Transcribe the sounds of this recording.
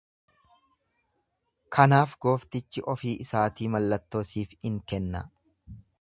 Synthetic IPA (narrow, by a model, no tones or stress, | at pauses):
kʰɐnaːfɡo̞ːft̪ɪt͡ʃːɪʔɔfiːʔɪsaːt̪iːmɐlːɐt̪ːo̞ːsiːfɪŋkɛnːɐ̰